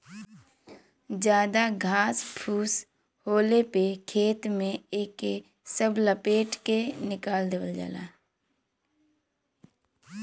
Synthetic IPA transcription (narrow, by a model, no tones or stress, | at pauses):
d͡ʒjaːd̪aɡʱaːspʰuːs | hoːlepekʰeːt̪mẽeːke | səbləpeːʈkenɪkaːld̪eːʋəld͡ʒa̰ːla̰ː